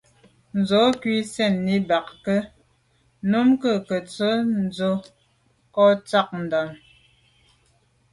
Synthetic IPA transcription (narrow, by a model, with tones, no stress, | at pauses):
n̩˨zɔ˨˦kɥwi˦sɛ˦˨nːi˦ba˨kkə˦ | nu˦mkə˦˨kə˨t͡sə˦n̩˦d͡zo˦ | kɔ˦t͡sa˦˨k̚n̩˨da˨n